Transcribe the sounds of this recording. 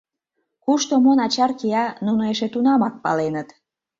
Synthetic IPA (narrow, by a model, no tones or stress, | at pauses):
kuʃt̪omonɑt͡ɕɑrkiɑnunoeʃet̪unɑmɑk̚pɑ̰lenət̪